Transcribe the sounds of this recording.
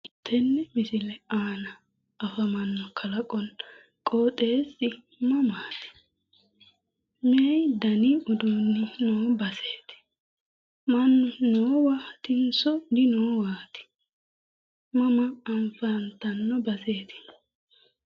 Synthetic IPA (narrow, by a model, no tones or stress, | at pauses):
ɪt̪ʰːɛnːɛmɪsɪlɛaːnɐː | fɐmɐnːɔkʰɐlɐkʼɔn | kʼoːt̪ʼeːsɪ | mɐmaːt̪ɪ̥ | mɛɛjd̪ɐniʔɔd̪ɔːnːɪnoːbɐseːt̪ɪ̥ | mɐnːɔnoːwaːt̪ɪnsɔd̪ɪnoːwaːt̪ɪ̥ | mɐmɐːnfɐnt̪ɐnːɔbɐse̞ːt̪ɪ̥